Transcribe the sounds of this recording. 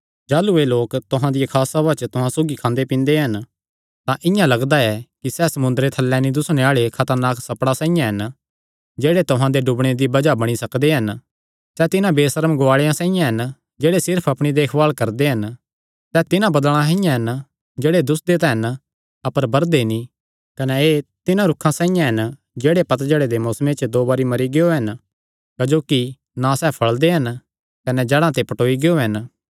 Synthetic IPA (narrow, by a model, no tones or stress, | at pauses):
d͡ʒaːlueloːkt̪ʊɦãd̪ɪjekʰaːsabat͡ʃt̪ʊɦãsoːɡikʰãːnd̪epɪ̃ːnd̪eɦɐn | t̪ãʔɪ̃jãlɐɡd̪aɛkisɛːsɐmʊ̃nd̪ɾet̪ʰɐlːɛːnid̪ʊsñeaːɭekʰɐt̪əɾnaːksɐpɽasãːĩjãɦɐn | d͡ʒeːɽet̪ʊɦãd̪eɖʊbɽ̃ed̪ibɐd͡ʒabɐɽ̃isɐkd̪eɦɐn | sɛt̪ɪnãbeːsəɾəmɡʊaːɭejãsãːĩjãɦɐn | d͡ʒeːɽesɪɾpʰɐpɽ̃id̪eːkʰbaːɭkɐɾd̪eɦɐn | sɛt̪ɪnãbɐd̪ɭ̃ãɦɪ̃jãɦɐn | d͡ʒeːɽed̪ʊsd̪et̪ɛɦɐn | ɐpəɾbɐɾd̪enĩ | kɐnɛeːt̪ɪnãɾʊkʰːãsãːĩjãɦɐn | d͡ʒeːɽepɐt̪̬d͡ʒəɽed̪emoːsmet͡ʃd̪oːbaːɾimɐɾiɡeoɦɐn | kɐd͡ʒoːki | nãsɛːpʰɐɭd̪eɦɐn | kɐnɛd͡ʒɛːɽãt̪epɐʈoːiɡɪoɦɐn